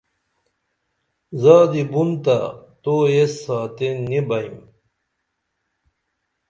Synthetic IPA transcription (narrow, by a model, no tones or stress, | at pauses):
zaːd̪ibunt̪a̰t̪oesːaːt̪enːibɐim